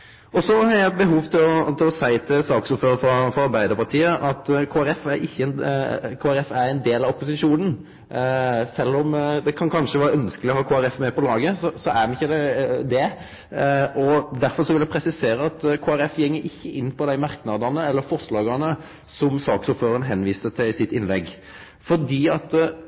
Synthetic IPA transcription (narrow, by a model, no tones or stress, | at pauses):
ɔsɔhɑɾjæɪbəɦuːʋt̪ʰɪlɔt̪ʰɪlɔsæɪt̪ʰɪlsɑːksɔføːɾəfɾɔfɾɔɑɾbæɪd̪əɾpɑɾt̪ʰiːəʔɑt̪kʰoːæɾɛfæɾɪçːənkʰoːæɾɛfæɾɛɪnd̪eːlɑɔpʊsɪʂuːnən̩ | sɛlːɔmd̪ɛkʰɑnkʰɑnʂəʋɑːɾɑœnskəlɪɔhɑːkʰoːæɾɛfmɛpʰɔlɑːɡəsɔsɔʔæɾmɛnɪçːəd̪ɛd̪ɛ | ʔɔd̪æɾfɔɾʂɔʋɪlæɪpʰɾɛsɪseːɾəɑt̪kʰoːæɾɛfjɛŋːəɾɪçːəʔɪnːpʰɔd̪æɪmɑɾknɑd̪ɑnəɛlːəɾfɔɾʂlɑːɡɑnə | sɔmsɑːksɔpføːɾəɾənɦɛnːʋiːsət̪ʰɪlɪsɪt̪ːɪnlɛɡ | fɔɖiːɑt̪